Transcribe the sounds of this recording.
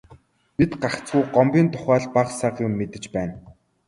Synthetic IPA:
pit̪ɢaχkt͡suːɢɔmpʲiːnt̪ʰʊ̥χæːɮpaqsaqjʊmːet̪ɘ̆t͡ɕpæːn

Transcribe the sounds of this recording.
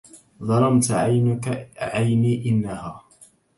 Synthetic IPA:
ðˤɑlɑmt̪ʕaj | ʕajniːʔɪnːahaː

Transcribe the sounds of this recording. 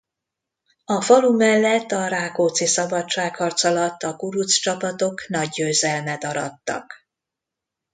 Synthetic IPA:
ɒfɒlumɛlːɛt̪ːɒɾaːkoːt̪sisɒbɒt͡ʃːaːkhɒrt̪sɒlɒt̪ːɒkuɾut̪st͡ʃɒpɒt̪o̞knɒɟːøːzɛlmɛd̪ɒɾɒt̪ːɒ̰k

